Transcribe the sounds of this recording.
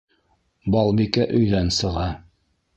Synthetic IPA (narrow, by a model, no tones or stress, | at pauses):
bɑlˠbikæʔɵ̆jðænsɤ̆ʁɑ